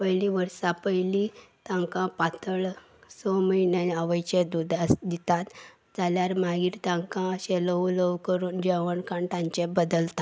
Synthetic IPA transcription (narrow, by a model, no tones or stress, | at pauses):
pəjliʋəɾsapəjlit̪ãŋkãpat̪əɭ | sɔməinaaʋəjt͡ɕed̪ud̪ʱasd̪it̪at̪ | d͡zaljaɾmaɡiːɾt̪ãŋkãɕeləuləʋkəɾuːnd͡ʑeʋəɳkãɳʈãɲt͡ɕebəd̪əlt̪a